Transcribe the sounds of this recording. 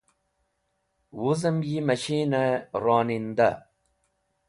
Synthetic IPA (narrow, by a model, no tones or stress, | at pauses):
wuzɐmjimɐɕiːnɐɾoːnind̪a̰